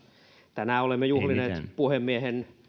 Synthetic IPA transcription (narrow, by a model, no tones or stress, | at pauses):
t̪ænæˑolemːejuhlinepuhemːiehen